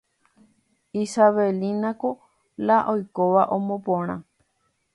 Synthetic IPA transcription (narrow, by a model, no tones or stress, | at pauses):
isaʋelinãko | laʔojkoʋaʔõmõpõɾ̃ã